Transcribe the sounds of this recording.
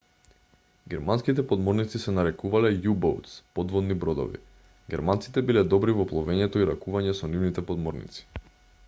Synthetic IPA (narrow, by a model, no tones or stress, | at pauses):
ɡɛɾmanskit̪ɛpɔd̪mɔɾnit̪sisɛnaɾɛkuvalɛjubɔ̰wt̪spɔd̪vɔd̪nibɾɔd̪ɔ̰vḭ | ɡɛɾmant̪si̥t̪ɛbilɛd̪ɔbɾivɔplˠɔvɛɲɛt̪ɔiɾakuvaɲɛsɔnivnit̪ɛpɔd̪mɔɾnḭt̪si̥